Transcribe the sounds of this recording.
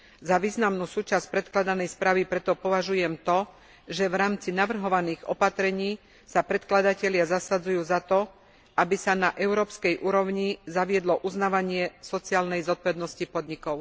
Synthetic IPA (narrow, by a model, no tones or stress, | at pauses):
zaʋiːznamnuːsuːt͡ʃasc̚pɾɛt̪klad̪anɛjspɾaːʋipɾɛt̪ɔpɔʋaʒujɛmt̪ɔ | ʒɛʋɾaːmt͡sinaʋr̩ɦɔʋaniːɣɔ̰pat̪ɾɛɲiː | sapɾɛt̪klad̪acɛʎɪazasad͡zujuːzat̪ɔ | abisanaʔɛʊɾɔːpskɛjʔuːɾɔʊɲizaʋɪɛd̪lɔʔuznaːʋaɲɪɛsɔt͡siaːlnɛjzɔt̪̚pɔʋɛd̪nɔscipɔd̪ɲikɔʊ